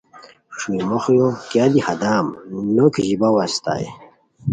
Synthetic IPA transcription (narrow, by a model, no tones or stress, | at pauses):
ʂujmoχjokjad̪ihad̪aːmnokʑibawast̪a̰j